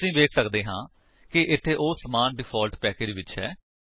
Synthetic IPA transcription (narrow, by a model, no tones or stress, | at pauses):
sĩːʋeːkʰsəkd̪eːɦãː | kɪʔɪt̪ʰːeːʔoːsəmaːnɖɪpʰaːlʈpɛːkeːd͡ʒʋɪt͡ʃɦɛ̰ː